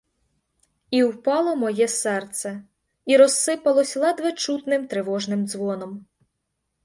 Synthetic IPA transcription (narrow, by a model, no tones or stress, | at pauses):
iwpɑlˠɔmɔjɛsɛrt̪sɛ | iɾɔsːɪpɐlˠɔsʲlˠɑd̪ʋɪt͡ʃut̪nɪmt̪ɾeʋɔʒnɪmd̪zʋɔnɔm